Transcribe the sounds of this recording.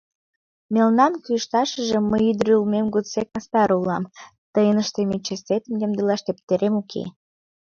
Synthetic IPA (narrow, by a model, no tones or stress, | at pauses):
melnɑmkyʃt̪ɑʃəʒĕməjyd̪ɾøulmemɡusek̚mɑst̪ɑɾulɑmt̪əjənəʃt̪emit͡ɕest̪et̪əmjəmd̪əlɑʃt̪ep̚t̪eɾemukʰḛ